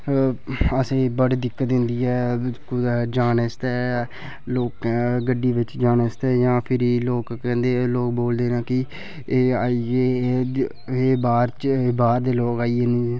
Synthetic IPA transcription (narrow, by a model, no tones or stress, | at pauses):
əseːbəɽd̪ɪkːət̪̚d̪ɪnd̪iːɛːkʊd̪d͡ʒaːnest̪ɛː | loːkːɡəɖːiːʋɪt͡ʃd͡ʒaːnest̪ɛːjãːpʰɪɾiloːkkɛ̃ːnd̪eːloːkboːld̪eːnãːkɪː | aːieː | eːbaːɾt͡ʃeːbaːɾd̪eːloːkaːiːeːniː